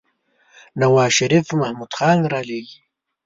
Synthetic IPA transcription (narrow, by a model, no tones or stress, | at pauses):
nawɑːʃaɾifmahmud̪xɑːnɾɑːleːɡi